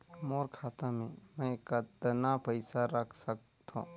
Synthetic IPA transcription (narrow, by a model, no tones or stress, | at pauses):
moːɾkʰaːt̪ãmẽmɛ̃katd̪napəɪsaɾəkʰsək | t̪ʰõ̰ː